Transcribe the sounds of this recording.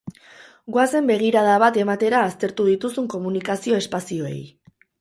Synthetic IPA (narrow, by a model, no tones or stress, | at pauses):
ɡwase̞mbe̞ɣ̞iɾað̞aβat̪e̞mat̪e̞ɾaːst̪e̞ɾt̪uð̞it̪usuŋko̞munikasio̞e̞spasio̞ḛj